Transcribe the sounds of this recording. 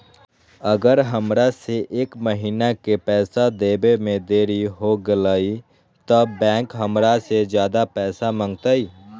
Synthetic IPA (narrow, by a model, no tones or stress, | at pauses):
əɡəɾɦəmɾaseʔeːkməɦiːnakepɛːsad̪eːbemẽd̪eːɾiɦoɡəlaːi | t̪əbbɛ̃ːŋkɦəmɾased͡ʒjaːd̪apɛːsamə̃ŋɡt̪ai